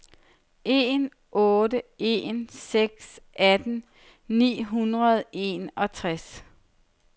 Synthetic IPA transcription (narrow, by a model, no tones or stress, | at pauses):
ʔe̝n | ʔɔ̽ːdəe̝nseɡ̥sʔæd̥n̩ | nḭːɦunʁɐð̞ˠe̝nɒ̽t͡sʰʁas